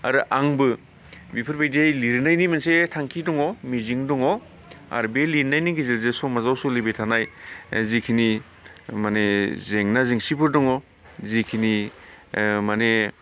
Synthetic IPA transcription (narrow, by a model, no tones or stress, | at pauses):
a̰ɾɯʔaŋbɯ | bipʰɯɾbajdejliɾnajnimansetʰaŋkʰidɔŋɔmiziŋdɔŋɔ | a̰ɾbeliɾnajniɡizelzesomazawsulibetʰanajzikʰini | manezeŋnaziŋsipʰɯɾdɔŋɔ | zikʰini | mane